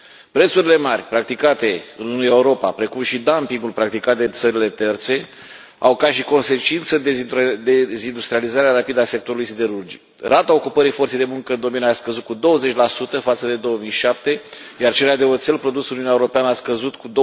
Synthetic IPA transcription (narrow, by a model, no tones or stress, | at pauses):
pɾe̞t̪suɾile̞marʲpɾak̚t̪ikat̪e̞ɨnunujeuɾo̞pa̰pɾe̞kumʃid̪ampiŋɡulpɾak̚t̪ikat̪̚d̪e̞t̪səɾile̞t̪e̞rt̪se̞ | a̰wkaʃiko̞nse̞t͡ʃint̪səd̪ed̪ezind̪ust̪ɾializaɾeaɾapid̪əasek̚t̪oɾulujsid̪e̞ɾurd͡ʒḭk | ɾat̪ao̞kupəɾijfort̪sejd̪emuŋkəɨnd̪o̞menaskəzut̪̚kud̪o̞wəze̞t͡ʃʲlasut̪əfat̪səd̪e̞d̪o̞wəmijʃap̚t̪e̞jart͡ʃe̞lead̪e̞ot̪se̞lpɾo̞d̪usɨnuiunaeuɾo̞peanəaskəzut̪kud̪o